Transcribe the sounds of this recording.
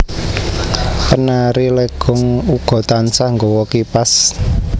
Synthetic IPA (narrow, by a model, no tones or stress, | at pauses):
kənaɾileɡ̥ɔŋuɡ̥ɔ̤t̪ansahŋɡowɔkipas